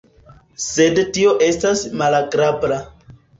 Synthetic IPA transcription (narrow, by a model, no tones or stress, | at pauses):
se̞dtio̞ʔe̞stasmalaɡɾabɾa